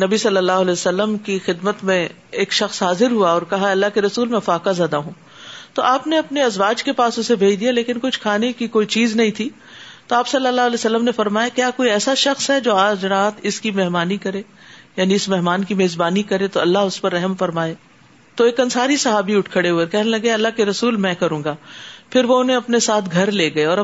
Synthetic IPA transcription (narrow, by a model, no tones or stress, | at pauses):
nɐbisɐlːəlːaːɦʊlɛːsɐlːəmkixɪd̪mət̪mẽ | eːkʃɐxsɦaːzɪɾɦuaɔːɾkɐɦaɐlːaɦkeɾɐsuːlmẽfaːkazjaːd̪aɦũː | t̪oʔaːpneɐpneɐzʋaːd͡ʒkepaːsʊsebʱeːid̪ijaleːkɪnkʊt͡ʃʰkʰaːnekikoːit͡ʃiːznɐɦĩt̪ʰiː | t̪oaːpsɐlːəlːaːɦɐlɛːsɐlːəmnefɐɾmaːjakjaːkoːiɛːsaʃɐxsɦɛd͡ʒoːaːd͡ʒɾaːt̪ʰɪskimɛɦmaːnikɐɾẽːjaːniɪsmɛɦmaːnkimeːzbaːnikɐɾẽt̪oɐlːaɦʊspɐɾːɛɦəmfɐɾmaːeː | t̪oeːkɐnsaːɾisɐɦaːbiʊʈʰkʰəɽeɦueːkɛɦnelɐɡeɐlːaɦkeɾɐsuːlmɛ̃kɐɾũːŋɡaːpʰɪɾʋoʊnɦẽɐpnesaːt̪ʰɡʱɐɾleːɡɐeɔːɾɐ